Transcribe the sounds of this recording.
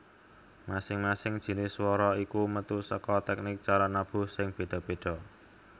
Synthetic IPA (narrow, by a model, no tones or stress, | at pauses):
masɪŋmasɪŋd̥ʒ̥i̤nɪswɔɾɔikumət̪usəkɔt̪ɛk̚nɪk̚t͡ʃaɾɔnab̥ṳsɪŋb̥e̤ɖ̪̥ɔ̤b̥e̤ɖ̪̥ɔ̤